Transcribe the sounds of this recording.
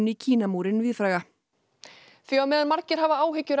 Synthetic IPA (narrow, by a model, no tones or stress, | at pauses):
nicʰiːnamuːɾɪnvɪːðfɾaːjɣa | fjawmɛðanmaɾcɪɾ̥ɦavaaːwɦɪcːʏɾ